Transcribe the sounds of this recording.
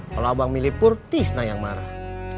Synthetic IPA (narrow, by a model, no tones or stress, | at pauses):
kaloawaŋmilipʊrt̪isnajaŋmaɾah